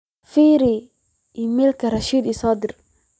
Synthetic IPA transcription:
fiɾi | imilkaɾaʃiːd̪isɑːd̪ɪɾ

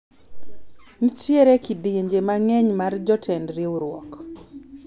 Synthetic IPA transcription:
nit͡ʃjeɾekidieɲd͡ʒemaŋɛɲmard͡ʒɔtʰɛndɾewuɾwɔ̰k

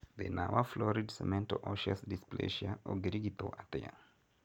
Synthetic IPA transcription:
ðenawaflɔɹidsɛmɛ̃ntoʔɔʃasdisplḛʃiaoɡɾiɡit̪oʔatea̰

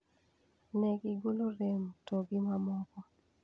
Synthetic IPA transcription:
nɛɡiɡoloɾemtoɡimamɔkɔ

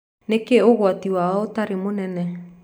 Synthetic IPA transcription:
nekɛoɣwatiwaaotaɾemonɛnɛ

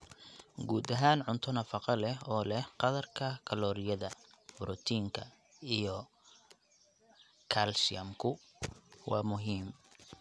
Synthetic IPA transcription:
ɡuːd̪ɐɦaːnʕʊnt̪ʰɔnɐfɑqɑlɛhɔːlɛhqɑðɐrkʰɐkʰɐlɔːɾɪjɐðɐbɾʔɔt̪ʰiːŋkʰɐ | ijɔ | kʰalsɪɐmkʰʊ | wɑːmʊɦiːm

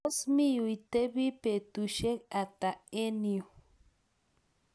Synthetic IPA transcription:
osmijujt̪ebipet̪uʃekat̪aeniu

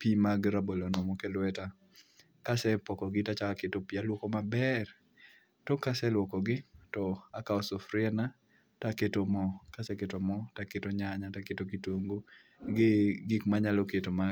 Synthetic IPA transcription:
pimaɡɾabolonɔmɔkelwɛta | kasɛpɔkɔɡɪtat͡ʃaaketopialwɔkɔmabɛr | tɔkasɛlwɔkɔɡɪtɔakaɔsɔfɾɪɛna | taketomɔkasɛketomɔtaketoɲaɲataketokitoŋɡo | ɡɪɡɪkmaɲalɔketoma

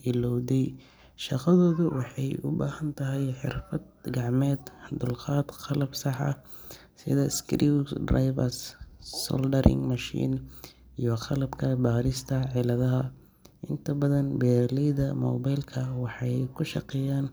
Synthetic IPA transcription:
ʔɪlɔwðɛj | ʃɑqɑðɔːðʊwɑħɑjʔʊ̰ba̰ːhɐnt̪ʰɐɦɛjħɪ̰rfɐd̪̚ɡɑʕmɛːd̪d̪ʊlqɑːd̪qɑlɐbsɑħɑ̰ | sɪ̰ðɐskɾid̪rajβɐssɔ̰ldɐɾɪ̰ŋmɐʃḭːn | ijɞqɑlɐbkʰɐbaːɾɪst̪ʰɐʕɪlɐðɐɦɐ | ʔɪnt̪ʰɐbɐðɐnbɛːlɛjðɐmɔ̰ːbajlkʰɐwɑħɑjkʰʊʃɑ̰qɛjaːn

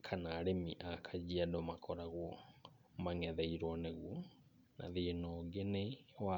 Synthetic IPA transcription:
kʰanaːɾemiʔakʰad͡ʒiadɔmakʰɔɾaɣwɔ | maŋɛðɛiɾwɔneɣwɔ | na̰ðenɔɡenewa

